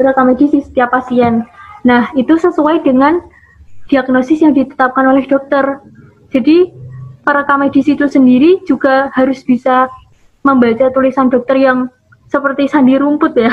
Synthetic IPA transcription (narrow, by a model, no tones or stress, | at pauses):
ɾəkamed̥isisə̥t̪iapːasiɛnːahit̪usəsuaidəŋan | d̥iaɡnosɪsjaŋdit̪ə̥t̪ap̚kanolɛhd̥ɔk̚t̪ər | d͡ʒ̥adipəɾəkamed̥isit̪usəndiɾid͡ʒuɡ̥a̤haɾʊsb̥isa | məmbat͡ʃat̪ulisandɔk̚t̪ərjaŋ | səpərt̪isandiɾumpʊt̪ja